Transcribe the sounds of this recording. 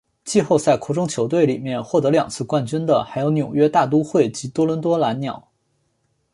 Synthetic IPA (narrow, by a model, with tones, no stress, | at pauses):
t͡ɕi˥˧xo˥˧ʊt͡sa˥˩ɪkʰɔ˧˥ʈ͡ʂʊ˥ŋt͡ɕʰjo˧˥ʊt̪we˥˩ɪli˨˩mjɛ˥˧nxwɔ˥˩t̪ɤ˧˥ljɑ̰˨˩ŋt͡sʰɹ̩˥˧kwa˥˩nt͡ɕy˥nd̪ə˨xa˧˥ɪjo˧˥ʊnjo˨˩ʊɥɛ˥t̪a˥˩t̪u˥xwe˥˩ɪt͡ɕi˧˥t̪wɔ˥lwə˧˥nt̪wɔ˥la˧˥nnjɑ̰˨˩˦ʊ